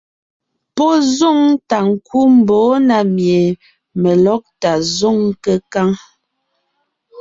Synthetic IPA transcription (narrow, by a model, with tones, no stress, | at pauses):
pɔ˦zo˦˨ŋta˨ŋ̩˨kʰu˦m̩˨bo˨˦na˨mje˨ | mə˨lɔ˦k̚ta˨zo˦˨ŋkə˦ka˦ŋ